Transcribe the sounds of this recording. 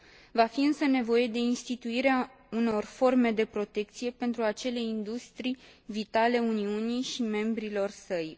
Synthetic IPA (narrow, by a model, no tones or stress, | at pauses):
vafiɨnsəne̞vo̞je̞d̪e̞inst̪it̪uiɾea | uno̞rfo̞rme̞d̪e̞pɾo̞t̪e̞kt̪sije̞pe̞nt̪ɾuat͡ʃe̞le̞ind̪ust̪ɾijvit̪ale̞uniunijʃime̞mbɾilo̞rsəj